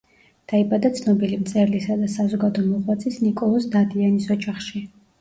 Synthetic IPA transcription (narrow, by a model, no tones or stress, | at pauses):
d̪̥aibad̪at̪sʰnɔbilimt̪sʼɛɾlisad̪asazɔɡad̪ɔmɔʁwat̪sʰisnikʼɔlˠɔsd̪ad̪ianisɔd͡ʒaχʃi